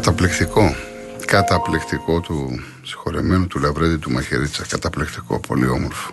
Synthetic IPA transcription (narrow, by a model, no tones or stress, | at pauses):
ɐt̪ɐplikt̪iko̞ | kɐt̪ɐplikt̪iko̞t̪u | si̥xo̞ɾemenut̪ulɐvɾeðit̪umɐçḛɾit͡sɐkɐt̪ɐplikt̪i̥ko̞̰pʰo̞̰lḭo̞moɾfo̥